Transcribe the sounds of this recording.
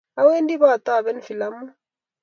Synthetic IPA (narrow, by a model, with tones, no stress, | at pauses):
a˦we˦ndi˦βa˦˨t̪a˦˨βɛ˦nfi˨la˦mu˦